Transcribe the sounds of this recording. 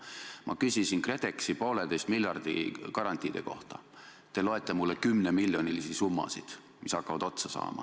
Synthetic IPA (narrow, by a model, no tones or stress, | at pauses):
mʔɑ̰kysʲisinkre̞t̪e̞ksipo̞ːlet̪ejst̪miljɑrd̪̥ikɑɾɑnt̪ʲːˑiːd̪̥e̞̰ko̞̰ht̪ɑ̥̰ | t̪e̞lo̞e̞t̪ˑːemulːekymnemiljo̞nʲilisisumːɑ̰sid̪̥ | misɑkːɑvɑd̪̥o̞t̪sɑsɑ̰ːmɑ̰